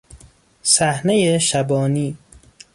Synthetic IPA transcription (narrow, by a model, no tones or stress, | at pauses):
sæhnejeʃæbɒːniː